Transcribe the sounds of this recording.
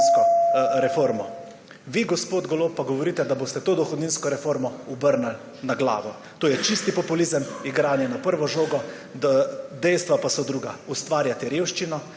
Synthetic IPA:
kɔɾɛfoːɾmɔ | ʋiːɡɔspoːd̪ɡɔloːpːaɡɔʋɔɾiːt̪ɛd̪aboːst̪ɛt̪oːd̪ɔxɔd̪ninskɔɾɛfoːɾmɔubəɾnal | naɡla̰ːʋɔ | t̪oːjɛt͡ʃist̪ipɔpulizəmiɡɾaːnjɛnapəɾʋɔʒoːɡɔ | d̪d̪ɛjst̪ʋapasɔd̪ɾuːɡa̰ust̪ʋaːɾjat̪ɛɾjeːwʃt͡ʃinɔ

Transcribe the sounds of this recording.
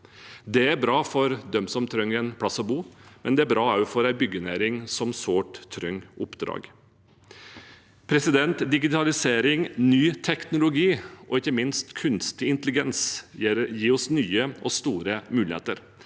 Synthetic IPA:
d̪ɛæɾbɾɑːfɔɾd̪œmsɔmt̪ʰɾœŋɛnp̪ʰɑsɔbuːmɛnd̪ɛæɾbɾɑːɑʉfɔɾæɪbʏɡənæːɾɪŋsɔmsoːʈt̪ʰːɾœŋːʊpːd̪ɾɑ̰ːɡ | pʰɾɛsɪd̪ɛnt̪d̪ɪɡɪt̪ʰɑlɪseːɾɪŋnyːt̪ʰɛknʊlʊɡiːʔɔɪçːəmɪnst̪kʰʉnst̪ɪɪnt̪əlɪɡɛns | jiːɔsnyːəɔst̪uːɾəmʉːlɪhḛːt̪əɾ

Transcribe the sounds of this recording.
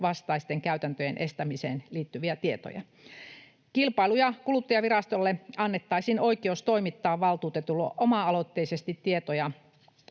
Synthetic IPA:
ʋɑst̪ɑist̪eŋkæyt̪ænt̪øjenʔest̪æmiseːnliːt̪ːyʋiæt̪iet̪o̰jɑ̰ | kilpɑilujɑkulut̪ːɑjɑʋirɑst̪olːeɑnːet̪ːɑisinoikeoust̪oimit̪ːɑːʋʋɑlt̪uːt̪et̪ulːo̰ʔomɑɑlot̪ːeisest̪it̪tiet̪ojɑ

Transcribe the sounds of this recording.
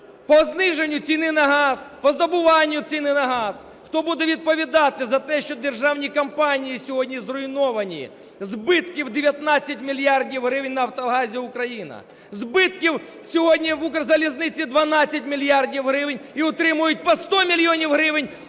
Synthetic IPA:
pɔznɪʐenʲːʊsʲinɪnɐɦaspɔzd̪ɐbʊʋanʲːjʊsʲinɪnɐɦas | xt̪ɔbud̪ɛʋʲid̪̚pɐʋʲɪd̪at̪ɪzɐt̪ɛʃt͡ʃɔd̪erʒawnʲikɐmpanʲijisʲʊɦɔdʲnʲizrʊɪnɔʋɐnʲi | zbɪt̪kʲɪwd̪ʲɪʋʲjɐt̪nat͡sʲːɐtʲmʲɪlʲjardʲiwɦɾɪʋɪnʲnɐɐwt̪ɐɦazʲɪʊkɾɐjinɐ̰ | zbɪt̪kʲɪw | sʲʊɦɔdʲnʲiʋukɾɐzɐlʲɪznɪt͡sʲɪd̪ʋɐnat͡sʲːɐtʲmʲɪlʲɪjardʲiwɦɾɪʋɪnʲiʊt̪ɾɪmʊjʊt̚ʲpɐst̪oɔmʲɪlʲɪonʲiwɦɾɪʋɪnʲ

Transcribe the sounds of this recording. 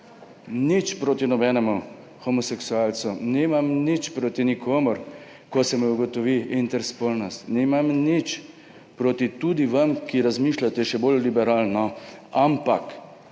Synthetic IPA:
nit͡ʃpɾoːt̪inɔbɛnɛmu | xɔmɔsɛksualsunimamnit͡ʃpɾoːt̪inikʰoːmɔɾ | kɔsɛmɛuɡɔt̪ɔʋiint̪ɛɾspolnɔst̪nɛmamnit͡ʃ | pɾoːt̪it̪ud̪iʋamkiɾazmiːʃlat̪ɛʃɛbolːibɛɾaːlnɔampak

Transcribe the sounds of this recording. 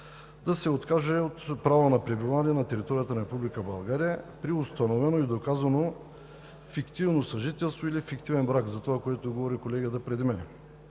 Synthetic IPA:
d̪ɐsɛot̪kaʒɛot̪pɾavonɐpɾɛbivaniɛnɐt̪ɛɾit̪ɔɾijət̪ənɐɾɛpublikəbɐlˠɡaɾijəpɾiʊst̪ɐnovɛnoid̪okazɐno | fikt̪ivnosɐʒit̪ɛlˠst̪voilifikt̪ivɛnbɾakzɐt̪ovakoɛt̪oɡovɔɾikolɛɡət̪əpɾɛd̪mɛnɛ

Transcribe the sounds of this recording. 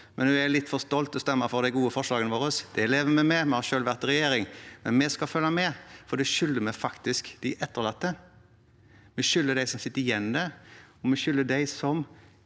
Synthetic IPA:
mɛnʉːælɪt̪ːfɔst̪ɔlt̪ɔst̪ɛmːəɾfɔɾd̪æɪɡuːəfɔʂlɑːɡənəʋoːɾəsd̪̥ɛleːʋəmɛmɛmɛhɑʃøːlʋæʁt̪ɾɛjeːɾɪŋmɛnmɛskɑfœlːɑmɛfɔd̪ɛʃʏlːəɾmɛfɑkt̪ɪskd̪ɪɪʔɛt̪ːəʁlɑt̪ːə | mɛʃʏlːəɖ̪æɪsɔmsɪt̪ːəɾɪjɛnːd̪æɾɔmɛʃʏlːəɖ̪æɪsɔm

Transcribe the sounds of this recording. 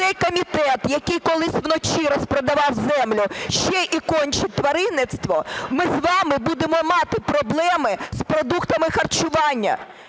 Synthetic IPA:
ɛjkɔmʲit̪ɛt̪jɐkɪjkɔlˠɪsʲʋnɔt͡ʃiɾɔspɾɐd̪ɐʋɑwzɛmlʲʊʃt͡ʃɛjʔikɔnʲt͡ʃɪt̚ʲt̪ʋɐɾɪnɪt̪st̪ʋɔmɪzʋɑmɪbud̪emɔmɑt̪ɪpɾɔblˠɛmɪspɾɔd̪ukt̪ɐmɪxɐrt͡ʃʊʋɑnʲːɐ̰

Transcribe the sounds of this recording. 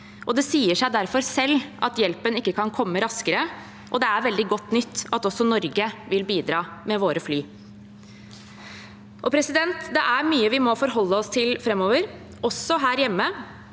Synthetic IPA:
ʔɔd̪ɛsiːəʂæɪd̪æɾfɔɾsɛlːʔɑt̪jɛlpənɪkːəkʰɑnkʰɔmːəɾɑskəɾə | ʔɔd̪ɛæɾʋɛld̪ɪɡɔt̪ːnʏt̪ːɑt̪ɔsɔnɔɾɡəʋɪlbiːd̪ɾɑːmɛʋoːɾəflyː | ʔɔpʰɾɛsɪd̪ɛnt̪d̪ɛʔæɾmyːəʋɪmɔfɔɾɦɔlːəɔst̪ʰɪlfɾɛmːɔːʋəɾ | ɔsːɔɦæːɾjɛmːə

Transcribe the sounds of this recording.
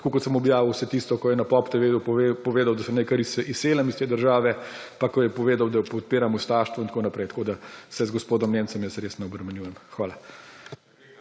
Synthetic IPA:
kokɔt̪səmɔbjaːʋiwsɛt̪iːst̪ɔkɔjɛnapɔpt̪ɛʋepɔʋeːd̪awd̪asɛmnekaɾisiseːlamist̪eːd̪əɾʒaːʋɛpakɔjɛpɔʋeːd̪awd̪apɔt̪̚peːɾamust̪aːʃt̪ʋɔint̪konapɾɛɪjt̪kod̪asɛzɡɔspoːd̪ɔmneːnsɔmjɛsɾeːsnɛɔbɾɛmɛnjuːjɛmxʋaːla

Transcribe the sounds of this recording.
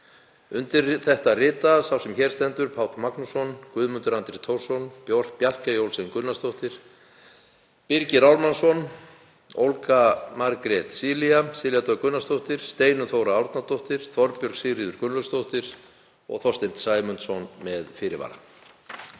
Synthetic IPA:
ʏnt̪ɪrθɛht̪arɪːt̪asawsɛmçɛɾst̪ɛnt̪ʏɾpʰaːwt̪maknusɔnkvʏːðmʏnt̪ʏɾant̪ɾɪt̪ʰow̥sɔnpjɔr̥pjar̥kajowlsenkʏnːast̪owht̪ɪɾ̥ | pɪɾcɪɾawlmansɔn | o̰wlkamaɾkɾɛt̪siːliasɪːljat̪œkʏnːast̪owht̪ɪɾ̥st̪eːjnʏθowɾaawɾt̪nat̪owht̪ɪɾ̥θɔɾpjœɾsiɾiːðʏɾkʏnlʏst̪owht̪ɪɾ̥ | ɔ̰ɣθɔst̪ɪnt̪saːjmʏnt̪sɔnmɛðfɪːɾɪva̰ːɾa̰

